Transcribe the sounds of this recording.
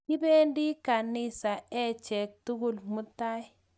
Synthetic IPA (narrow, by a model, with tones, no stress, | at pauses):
ki˦be˦ndi˦ka˨nɪ˦sa˨ɛ˦t͡ʃɛ˨k̚tu˦ɡu˦lmʊ˦ta˦j